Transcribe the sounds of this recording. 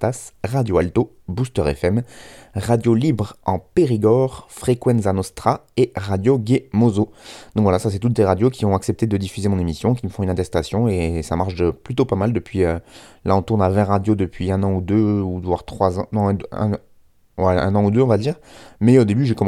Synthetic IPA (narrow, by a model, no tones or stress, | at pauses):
t̪asʁad̪joalt̪o | bust̪œʁɛ̰fɛmʁad̪jolibʁɑ̃peʁiɡɔʁfχekwɛ̃nzanɔst̪χa | eʁad̪joɡʲemozod̪̥ɔ̃kvwalasasɛt̪ut̪̚d̪eʁad̪jokʲiɔ̃aksɛp̚t̪ed̪əd̪ifyzemɔ̃nemisjɔ̃kʲiməfɔ̃ynɛ̃t̪ɛst̪asjɔ̃esamaʁʃd̪əplyt̪opamald̪əpɥiølaɔ̃t̪uʁnavɛ̃ʁʁːad̪jod̪əpɥiɛ̃nɑ̃ud̪øud̪vwaʁt̪χwazɑ̃nɔ̃ɛ̃d̪ɛ̰̃ | wɛɛ̰̃nɑ̃ud̪øɔ̃vad̪iːʁmɛod̪ebyʒekɔm̃